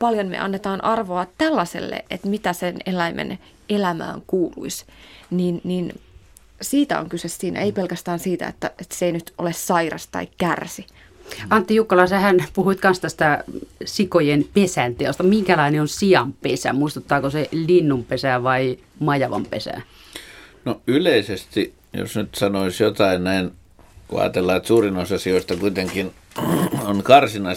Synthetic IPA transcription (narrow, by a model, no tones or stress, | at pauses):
pɑljonmḛʔɑ̰nːet̪ɑːnʔɑrʋoɑtt̪ælːɑsḛlːḛʔʔet̪mit̪æsenelæimʔḛn | elæmæ̰ːŋkuːlṵisniːnniːn | siːt̪æ̰o̰ŋkysessiːnæ̰eipelkæst̪æːnsiːt̪æ̰ḛt̪ːæet̪seeinyt̪ʔolessɑirɑ̰st̪ɑ̰ikkærsi | ɑnt̪ːijukːɑlɑisɑhænpuhuit̪kɑnst̪æst̪æsikojenpesænt̪eost̪ɑmiŋkælɑineonsiɑmpesæ̰muist̪ut̪ːɑːkoselinːumpesæʋɑi | mɑjɑʋɑ̰mpḛsæ̰ˑ | noyleisest̪i | jo̰snyt̪sɑnoisjot̪ɑinnæin | ko̰ɑ̰ːt̪elːɑːt̪suːrinosɑsioist̪ɑkuit̪eŋkin | onkɑrsinɑi